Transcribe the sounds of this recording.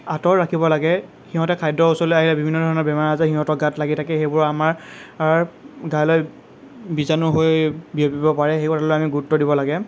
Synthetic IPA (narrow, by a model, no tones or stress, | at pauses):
atɔɹɹakʰibɔlaɡɛ | xiɦɔ̃tɛkʰajdɔusolojaɦilɛbibʱinːɔdʱɔɹɔnɔɹbɛmaɹazɛxiɦɔ̃tɔɡatlaɡitʰakɛxejbʊɹamaɹaɹɡajloj | bizanʊɦojbiepibɔpaɹɛxejkɔtʰalojamiɡuutːɔdibɔlaɡɛ